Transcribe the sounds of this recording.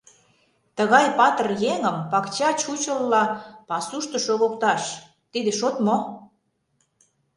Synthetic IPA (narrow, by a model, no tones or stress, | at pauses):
t̪əɣɑjpɑt̪ərjeŋəmpɑkt͡ɕɑt͡ɕut͡ɕəlːɑpɑsuʃt̪ə̆ʃoɣokt̪ɑʃ | t̪id̪eʃot̪mo